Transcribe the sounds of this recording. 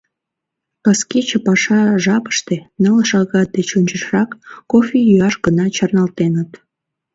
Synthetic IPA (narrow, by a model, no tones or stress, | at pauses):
kɑskit͡ɕəpɑʃɑʒɑpə̥ʃt̪enələʃɑɣɑt̪̚d̪et͡ɕunʲt͡ɕəʃrɑkːofʲijyɑʃɡənɑt͡ɕɑrnɑlt̪enət̪